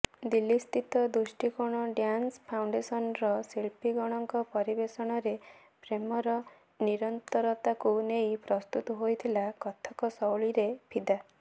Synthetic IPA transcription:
d̪ilːist̪it̪ɔd̪usʈikuɽ̃ɔɖjanspʰawɳɖesɔnɾɔsiɭpiɡɔɽ̃ɔŋkɔpɔɾibesɔɽ̃ɔɾe | pɾemɔɾɔ | niɾɔnt̪ɔɾɔt̪akunejpɾɔst̪ut̪ɔɦojt̪ʰilakɔt̪ʰɔkɔsɔwɭiɾepʰid̪a

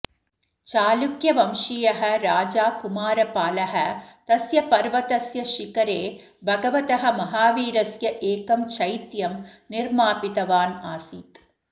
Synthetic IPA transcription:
t͡ʃaːlukjɐʋɐmʃijɐɦɐ̆ɾaːd͡ʒaːkumaːɾɐpaːlɐɦɐ̆t̪ɐsjɐpɐɾʋɐt̪ɐsjɐʃikɐɾeː | bʱɐɡɐʋɐt̪ɐɦɐ̆mɐɦaːʋiːɾɐsjɐʔeːkɐmt͡ʃʰɐjt̪jɐmniɾmaːpit̪ɐʋaːnaːsit̪

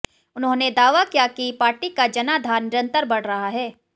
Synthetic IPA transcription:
ʊnɦõned̪aːʋakijakipaːɾʈikad͡ʒɐnad̪ʱaːɾnɪɾə̃nt̪əɾbɐɽ̤ɾɐɦaɦɛː

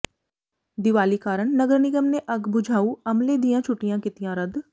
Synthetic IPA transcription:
d̪ɪʋaːlikaːɾəɳ̃nɐɡəɾnɪɡəmneʔɐɡbʊd͡ʒʱaːuɐmled̪ijãt͡ʃʰʊʈijãkɪt̪ijãɾɐd̪

